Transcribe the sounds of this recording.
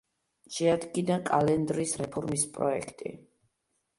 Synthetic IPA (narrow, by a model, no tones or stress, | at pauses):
ʃɛad̪ɡinakʼalɛnd̪ɾisɾɛpʰɔɾmispʼɾɔ̰ɛ̰kʰt̪ʼḭ